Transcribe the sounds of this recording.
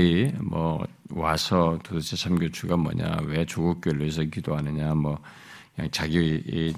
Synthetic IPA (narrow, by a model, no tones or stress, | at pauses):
imʌ̰wasʰʌtodot͡ɕʰisʰamɡjot͡ɕʰuɡamʌ̰ɲa̰wet͡ɕoɡuk͈̚oɭːes̬ʰʌkidoɦanɯɲamʌ | kɲa̰ŋt͡ɕaɡie